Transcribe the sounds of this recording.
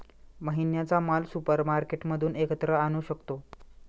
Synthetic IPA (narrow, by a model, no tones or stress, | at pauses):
məɦinjat͡samalsupəɾmaɾkeʈməd̪ʱuːnekət̪ɾəañuːɕəkt̪o